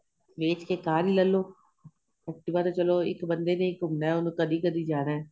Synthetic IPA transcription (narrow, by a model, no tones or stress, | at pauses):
ʋeːt͡ʃkeːkaːɾiːləlːoː | ɛk̚ʈibaːɾot͡ʃəloːɪ̰kbənd̪eːnẽːɪkɦʊmnɛːʊnkəd̪iːkəd̪iːd͡ʒaːɾeɛː